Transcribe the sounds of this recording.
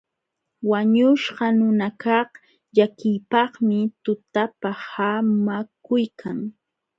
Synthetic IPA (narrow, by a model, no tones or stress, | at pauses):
waɲʊʃɢɑnʊnakɑχ | ʎakɪjpɑχmɪt̪ʊt̪apahamakʊjkʰaŋ